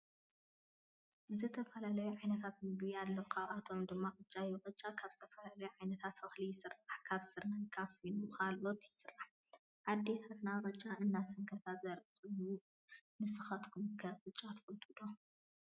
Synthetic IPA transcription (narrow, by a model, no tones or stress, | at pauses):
zɨt̪ʰɐfɐlalɐjuʕajnɐt̪ʰat̪nɨbɨjalːɐkʰaβʔat̪ʰo̞md̪ɨmːaqʼɨt͡ʃʼːajuqʼɨt͡ʃʼakʰaβzɨt̪ʰɐfɐlalɐjuʕajnɐt̪ʰat̪ɨxlijɪsɨrːaħkʰaβsɨɾnajkʰafinukʰalot̪jɪsɨrːaħ | ʕad̪ːe̞t̪ʰat̪naqʼɨt͡ʃʼːaɨnːasɐŋkʰɐt̪ʰazɐɾɨxɨju | nɨsɨxat̪kʰumkʰɐqʼɨt͡ʃʼːat̪ʰfot̪ʰʼːɨd̪o